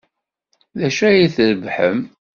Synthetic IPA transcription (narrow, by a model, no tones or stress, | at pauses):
ðæʃæjiθɾəvħəm